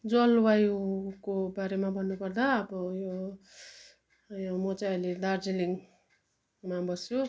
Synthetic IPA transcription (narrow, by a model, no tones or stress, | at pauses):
d͡zʌlwajukobaɾemabʱʌnːupʌrd̪aʌbʌjo | jomʌt͡sãʌjled̪ard͡ziliŋ | mabʌsjo